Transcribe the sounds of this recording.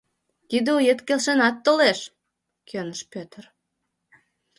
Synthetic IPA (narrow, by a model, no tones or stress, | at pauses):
kid̪eujet̪kelʃenɑt̪ːoleʃ | kʰønəʃpøt̪ər